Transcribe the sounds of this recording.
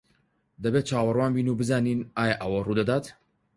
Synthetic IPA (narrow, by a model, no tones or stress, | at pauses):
d̪ɐbeːt̪̚t͡ʃʰaːwɐrwaːnbiːnuːbɨzaːniːnaːjɐʔɐwɐruːd̪ɐd̪aːt̪